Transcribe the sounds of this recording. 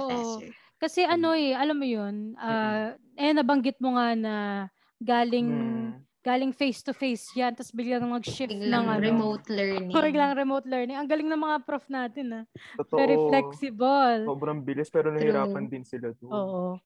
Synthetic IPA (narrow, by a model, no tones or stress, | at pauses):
ʔoːʔo | kɐsɛʔɐno̞ɛʔɐlamːojonʔaː | ɛnɐbɐŋɡɪt̪̚moŋanɐ | ɡaːlɪŋ | ɡ̥aːlɪŋfejst̪ʊfejsjant̪ɐsbɪɡlaŋɐŋnɐɡʃɪnɐŋɐɾɛmot̪lɛnɪɪɡlaŋɐŋɾɛmowt̪̚lɛɹnɪŋɐŋɡɐlɪŋnɐŋmɐŋapɾofnaːt̪ɪnːɐotvɛɾiflɛksɪbɐlsoːbɾɐŋbɪlɪspɛːɾonɐhiɾaːpɐnd̪ɪnsɪlad̪oːʔo